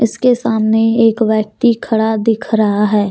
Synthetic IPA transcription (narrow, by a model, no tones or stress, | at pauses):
ɪskesaːmneeːkʋjək̚t̪ikʰɐɽad̪ɪkʰɾɐɦaɦɛː